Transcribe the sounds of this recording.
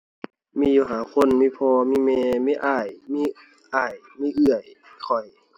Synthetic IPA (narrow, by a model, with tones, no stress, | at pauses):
miː˧˨juː˧˩ɦaː˨˦kʰo˧˥˨nmiː˧˨pʰɔː˧miː˧˥˨mɛː˧miː˧˨ʔaː˧˩jmiː˧˨ | ʔaː˧˩j | miː˧˨ʔɯ˧˩əjkʰɔ˨˩j